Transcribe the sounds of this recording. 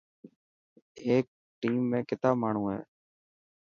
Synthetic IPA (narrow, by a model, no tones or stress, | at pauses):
eːk̚ | ʈiːmːẽːkɪt̪aːmaːɳ̤ũːɦḛː